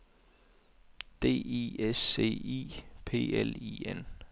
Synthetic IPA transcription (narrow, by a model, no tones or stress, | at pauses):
d̥e̝̰ːiese̝̰ːḭːpʰe̝̰ːeliːen